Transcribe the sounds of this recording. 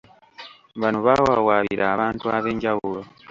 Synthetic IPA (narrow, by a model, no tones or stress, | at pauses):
βanuβawawaːβiɾʔaːβaːntuaβe̞ːɲɟaβulo